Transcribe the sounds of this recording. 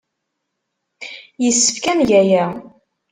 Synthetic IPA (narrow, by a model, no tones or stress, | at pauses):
jəsːə̥fkænʝæjæ